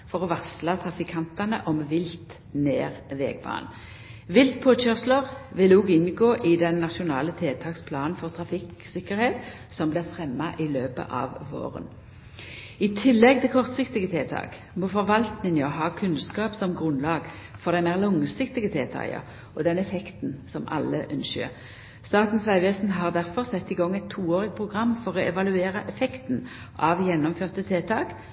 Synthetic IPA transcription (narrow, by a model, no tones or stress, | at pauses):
fɔʁɔʋɑkslɑt̪ʰʁɑfɪkʰɑnt̪ɑnə̰ʔɔmʋɪlt̪ | neːʁʋḛːɡbɑ̰ːn | ʋɪlt̪̚pʰoːɕœʁsləʁʋɪluːɡɪnɡoːʔɪd̪ɛnːɑʃʊnɑːlət̪ʰeːt̪ʰɑːkspʰlɑːnən̩fɔʁt̪ʰʁɑfɪksɪkːəʁheːt̪ | sɔmblɪʁfʁɛmːɑʔɪløːpə̰ʔɑ̰ːʋʋo̰ːʁə̰n | ɪt̪ʰɪlːɛɡ̚t̪ʰɪlkʰɔʁt̪sɪkt̪ɪɡət̪ʰeːt̪ʰɑ̰ːk | mofɔʁʋɑlt̪nɪŋɔɦɑːkʰʉnskɑːpsɔmɡʁʉnlɑːɡfɔʁd̪æɪmeːʁlɔŋsɪkt̪ɪɡət̪ʰeːt̪ʰɑ̰ːjə̰ | ɔd̪ɛnɛfɛkt̪n̩sɔmɑ̰lːəʔʉnʃə̰ | st̪ɑːt̪n̩sʋæɪʋeːsn̩ɦɑːʁd̪æʁfɔʁsɛt̪ːiːɡɔŋːɛɪt̪ʰːuːoːʁɪɡpʰʁʊɡʁɑmːfɔʁɔɛʋɑlʉeːɾəʔɛfɛkt̪n̩ | ʔɑʋjɛnːɔmføːʁt̪ət̪ʰeːt̪ʰɑːk